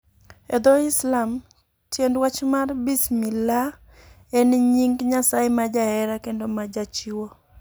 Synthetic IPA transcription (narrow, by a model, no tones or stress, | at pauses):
ɛd̪oɪslam | tjendwat͡ʃmarbismila | enɲiŋɡɲasaɪmad͡ʒahɛɾakendomad͡ʒat͡ʃiwo